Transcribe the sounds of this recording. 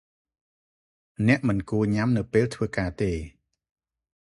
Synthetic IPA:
nɛ̆əʔmɨnkuəɲamnɨwpeːlt̪ʰʋəːkaːt̪eː

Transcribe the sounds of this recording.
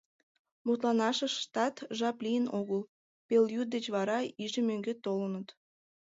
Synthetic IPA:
mut̪lɑnɑʃəʃt̪ɑt̪ʒɑplʲijənoɣəlˠ | peljut̪̚d̪et͡ɕβɑɾɑiʒĕmøŋɡet̪olənət̪

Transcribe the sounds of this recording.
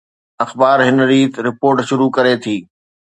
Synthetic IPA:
ɐxbaːɾɦɪnɾiːt̪ɾɪpoːɾʈʃʊɾukɐɾet̪ʰiː

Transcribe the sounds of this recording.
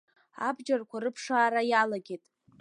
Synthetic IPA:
a̰bd͡ʒarkʷʰaɾɨpʰʂaːɾajalaɡʲe̞tʼ

